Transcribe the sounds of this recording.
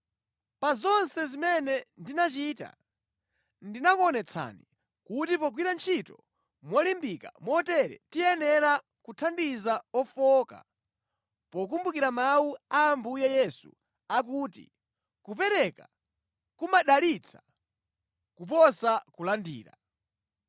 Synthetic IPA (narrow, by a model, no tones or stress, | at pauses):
pazɔnsɛzimɛnɛndinat͡ʃita̰ | ndinakɔnɛt͡sʰa̰ni | kutipɔɡ̬wiɾant͡ʃʰitɔ | mwɔlimbika̰mwɔtɛɾɛ̰tijɛnɛɾa | kutʰandizaɔfɔka̰ | pɔk̬umbukiɾamawuaːmbujajɛsṵ | ak̬uːtḭ | kupɛɾɛka | kumaɗalit͡sʰḁ | kupɔsakulandḭːɾa̰